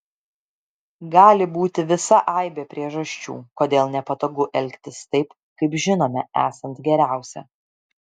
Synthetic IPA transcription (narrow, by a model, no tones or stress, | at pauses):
ɡɑːlʲɪbuːt̪ʲɪʋʲɪsɐʔɐɪbʲeːpʲɾʲiɛʒɐʃʲt͡ʃʲṵːkoːd̪ʲeːlˠnʲɛpɐt̪oːɡʊʔɛlʲkt̪ʲɪst̪ɐɪp | kɐɪpʒʲɪnoːmʲɛæ̰ːsɐnt̪ɡʲɛɾʲæˑʊsʲɛ̰